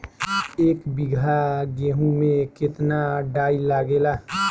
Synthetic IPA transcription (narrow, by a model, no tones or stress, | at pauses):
eːkbɪɡʱaɡeːɦũmẽkɪt̪naɖaːilaːɡeːlaː